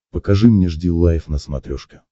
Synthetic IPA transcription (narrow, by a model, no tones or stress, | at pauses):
pəkɐʐɨmnʲeʐdʲilˠːajfnəsmɐt̪ɾʲoʂkʲɪ̥